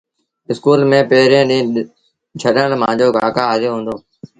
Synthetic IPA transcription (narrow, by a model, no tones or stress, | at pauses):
ɪskuːlmẽːpeːɾẽːɗĩː | t͡ʃʰəɗəɳɽmãːɲd͡ʑoːɡʱaːkaːaːzoːɦũːnd̪oː